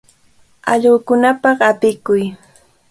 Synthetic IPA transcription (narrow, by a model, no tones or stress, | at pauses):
ɑʎɢokʊnapɑχapɪkʊj